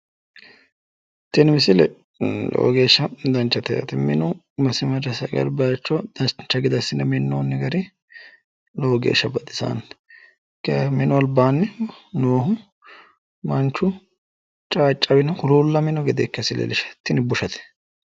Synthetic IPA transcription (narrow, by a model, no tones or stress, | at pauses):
t̪ɪnmɪsɪlɛ̰ | lo̰ɔɡe̞ːʃːɐd̪ɐnt͡ʃːɐt̪ɛjɐ̰t̪ɪmɪ̰nʊ | mɐsɪmɐd͡ʒɐsɐɡɐ̰lbɐt͡ʃːɔd̪̥ɐnt͡ʃːɐɡɪd̪ɐsːɪnɛmɪnːo̰ːnːɪɡɐɾɪ | loɡḛːʃːɐbɐd̪ɪsa̰ːn | kɛmɪnɔɐlbaːnːɛnoːhʊ | mɐnt͡ʃːʊ | t͡ʃʼaːt͡ʃʼːɐbɪnɐkʊɾuːlːɐmɪnɔɡɛd̪eːkːɐsɪlɛ̰lɪʃɐ̥t̪ːɪnɪbʊʃɐt̪ɛ̥